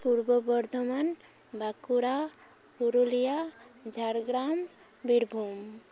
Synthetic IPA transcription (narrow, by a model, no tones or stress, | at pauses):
puɾbəbəɾd̪ʱomən | bʱakuɾa | puɾolijad͡ʒʱaɾɡɾam | biɾbʱum